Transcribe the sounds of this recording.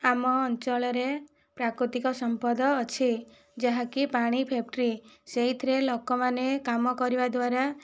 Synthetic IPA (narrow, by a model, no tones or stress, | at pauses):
amɔːnt͡ʃɔɭɔɾe | pɾakɾut̪ikɔsɔmpɔd̪ɔːt͡ʃʰi | d͡ʒaɦakipaɽ̃ipʰep̚ʈɾiseɦit̪ʰɾelɔkɔmanekamɔkɔɾibad̪waɾa